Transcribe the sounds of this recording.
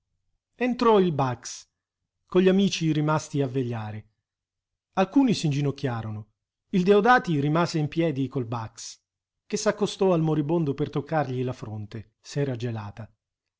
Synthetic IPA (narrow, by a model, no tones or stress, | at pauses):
ent̪ɾɔilbaks | koʎːiamiːt͡ʃiɾimast̪iavːeʎːaːɾe | alkuːnisind͡ʒinokʲːjaːɾono | ild̪eod̪aːt̪irimaːzeimpjɛːd̪ikolbaks | k̟esakːost̪ɔalmoɾibond̪opert̪okːarʎilafɾont̪e | sɛːɾad͡ʒelaːt̪a